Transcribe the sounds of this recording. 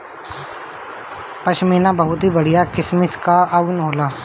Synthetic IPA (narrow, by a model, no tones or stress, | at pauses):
pəʃmiːnãbəɦʊt̪ɦibəɽ̤ijaːkɪsmɪskaaunɦoːlaː